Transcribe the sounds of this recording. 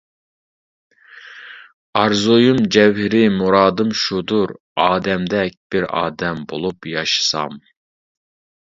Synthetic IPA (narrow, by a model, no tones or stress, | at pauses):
ɑɾzojumd͡ʒɛwɦɪɾɪmuɾɑːd̪ɨmʃud̪uɾ | ɑːd̪ɛmd̪ɛk̚ʲb̥ɪɾɑ̰ːd̪ɛmbolˠupjɑʃɨ̥sɑ̰m